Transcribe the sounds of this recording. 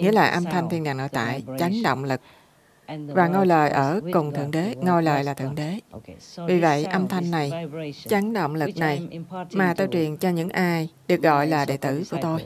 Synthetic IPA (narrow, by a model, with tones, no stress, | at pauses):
ŋḭ˧˥əlaː˨˩ʔə˧mt̪ʰa˧jŋ̟t̪ʰi˧nɗaː˨˩ŋno̰˧˦jt̪a̰ː˧˨jt͡ɕa˨˦ŋɗə̰˧˨wŋ͡mlɨ˨˩k̚ | vaː˨˩ŋo˧jləː˨˩jʔəː˧˩kʊ˨˩ŋ͡mt̪ʰɨ̰˧˩əŋɗe˨˦ŋo˧jləː˨˩jlaː˨˩t̪ʰɨ̰˧˨əŋɗe˨˦vi˨˩və̰˧˨jʔə˧mt̪ʰa˧jŋ̟ːa˨˩jt͡ɕa˨˦ŋɗo̰˧˨wŋ͡mlɨ˨˩k̚na˨˩jmaː˨˩t̪ə˧˩wt͡ɕwi˨˩ənt͡ɕɔ˧ɲɨ̰˧˥ŋʔaː˧jɗɨ˨˩ək̚ɣɔ̰˧˨jlaː˨˩ɗḛ˧˨t̪ɨ˧˩ku˧˩ət̪o˧j